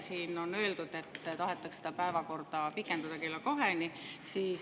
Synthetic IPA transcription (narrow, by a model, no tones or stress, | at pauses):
siːno̞nø̞ːld̪ud̪̥e̞t̪ːt̪ɑɦe̞t̪ːˑɑkse̥d̪̥ɑpæevɑko̞rd̪̥ɑpikːˑend̪ɑd̪̥ɑkelːɑko̞ɦenisiː